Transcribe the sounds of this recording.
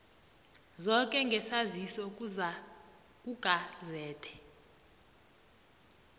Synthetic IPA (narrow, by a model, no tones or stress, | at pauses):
zɔkʼɛŋɡʱɛsazisɔk̬ʼuza | k̬ʼuɡ̥ʱazɛːtʰɛ̥